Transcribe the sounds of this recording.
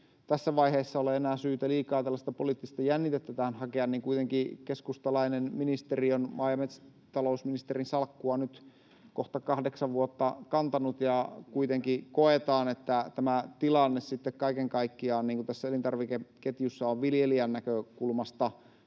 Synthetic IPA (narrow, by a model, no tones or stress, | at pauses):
t̪æsːæʋɑiheːsːɑoleenæːsyːt̪æliːkɑːt̪ælːæst̪ɑpoliˑt̪ːist̪ɑjænːit̪et̪ːæt̪æːnhɑkeɑnniːŋkuit̪eŋkikeskust̪ɑlɑinenminist̪erionmɑːjɑmet̪s | t̪ɑlousminist̪erinsɑlkːuɑnyt̪ | koht̪ɑkɑhdeksɑʋʋuot̪ːɑkɑnt̪ɑnut̪jɑkuit̪eŋkikoet̪ɑːnet̪ːæt̪æmæt̪ilɑnːessit̪ːekkɑikeŋkɑikːiɑːnniːŋkut̪æsːæelint̪ɑrʋikeket̪jusːɑoʋʋiljeliænːækøkulmɑst̪ɑ